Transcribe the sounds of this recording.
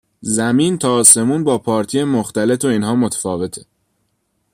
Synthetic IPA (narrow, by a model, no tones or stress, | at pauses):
zæmiːnt̪ʰɒːse̞muːnbɒːpʰɒːɾt̪ʰijemoxt̪æle̞t̪ʰo̞iːnɦɒːmot̪ʰe̥fɒːve̞t̪ʰe